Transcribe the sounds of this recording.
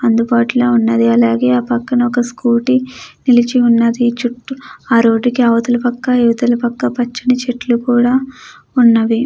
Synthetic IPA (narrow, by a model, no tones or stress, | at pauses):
ɐnd̪ubaːʈuloːunːɐd̪iɐlaːɡe̞ːaːpɐkːɐnɐɔkɐskuːʈinilit͡ʃiunːɐd̪it͡ʃuʈːuaːɾo̞ːɖikiɐːʋɐt̪ulɐpɐkːɐiʋɐd̪ɐlɐpɐkːɐpɐt͡ʃːinɐt͡ʃeʈlukuːɽaː | unːɐʋi